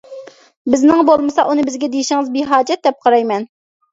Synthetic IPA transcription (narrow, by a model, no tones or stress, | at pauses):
bɪznɨŋbolˠmɨsɑʔunɨbɪzɡʲɛd̪ejiʃɪŋɨzbiɦɑːd͡ʒɛt̪̚d̪ɛp̚qʰɑɾɑjmɛn